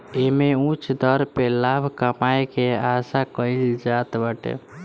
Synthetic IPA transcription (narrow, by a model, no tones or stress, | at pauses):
emeũt͡ʃʰd̪əɾpelabʱkəmajkeasakəɪld͡ʒat̪bəʈḛ